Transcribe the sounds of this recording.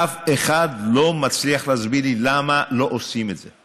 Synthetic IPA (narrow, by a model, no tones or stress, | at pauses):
afeχadlo̞mat͡sliaχlazbililamalo̞ʔosime̞tz̥e